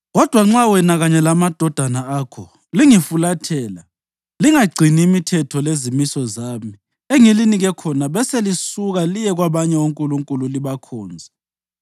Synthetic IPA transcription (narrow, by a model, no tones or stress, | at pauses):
ɣɔd̥ʱwaŋ͡ǁawɛnaɣaɲɛlamad̥ʱɔd̥ʱanaaːkʰɔ | liŋifulatʰɛːla | liŋaɡ͡ǀʱiniːmitʰɛtʰɔlezimisɔzaːmi | eŋiliniɣɛkʰɔnaβɛselisuɣalijɛɣwaβaɲɛuŋkʼuluŋkʼululiβakʰɔːnd͡zʱɛ